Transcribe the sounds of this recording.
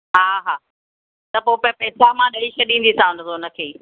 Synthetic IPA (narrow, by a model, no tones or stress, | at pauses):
ɦaːɦaː | t̪ɐpoːpɐpɐɦsamãɗɐiʃɐɗĩːn̆d̪isãnot̪onəkʰeː